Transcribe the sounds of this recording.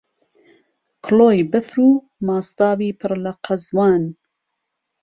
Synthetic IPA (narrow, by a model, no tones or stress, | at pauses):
kʰloːjbɨfɾuː | mɑːst̪ɑːwiːpʰɨɾlɐqʰɐzwɑːn